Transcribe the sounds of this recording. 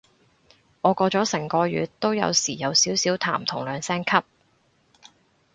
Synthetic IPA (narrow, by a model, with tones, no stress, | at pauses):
ʔɔː˨˧kɔː˧t͡ʃɔː˨˥sɛ˨˩ŋkɔː˧jyː˨˧tt̪ːo˥wjɐ̰˨˧wsiː˨˩jɐ˨˧wsiː˨˥wsiː˨˥wt̪ʰa̰ː˨˩mt̪ʰʊ˨˩ŋlœː˨˧ŋsɛː˥ŋkʰɐ˥p̚